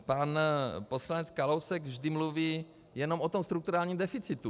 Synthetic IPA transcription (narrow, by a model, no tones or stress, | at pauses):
panposlanɛt͡skalowsɛɡvʒdɪmluviː | jɛnomot̪omst̪ɾukt̪uɾaːlɲiːmd̪ɛfit͡sɪt̪u